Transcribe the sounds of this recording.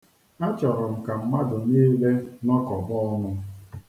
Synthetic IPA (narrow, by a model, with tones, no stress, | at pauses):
a˦t͡ʃɔ˨ɾɔ˨m̩˨ka˨m̩˦ma˦dʊ˨ne˦le˦nɔ˦kɔ˨bɔ˦nʊ˦